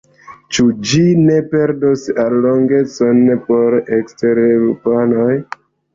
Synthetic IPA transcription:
t͡ʃud͡ʒine̞pe̞ɾdosalːoŋɡe̞t͡sonpo̞ɾeksteɾeɾupanoj

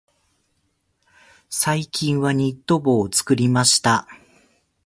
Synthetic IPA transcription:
saikʲĩɰ̃βaɲ̟it̪ːo̞bo̞ːt͡sɨ̥kɯ̟ɾʲimaɕi̥t̪a

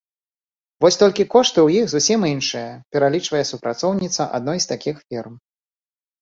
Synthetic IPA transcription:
vɔsʲt̪ɔlʲkʲikɔʂt̪ɨwjixzusʲiminʂɨjɐpʲɛɾalʲit͡ʂvɐjɛsupɾat̪sɔwnʲit̪sɐʔa̰d̪̚nɔjst̪akʲixfʲirm

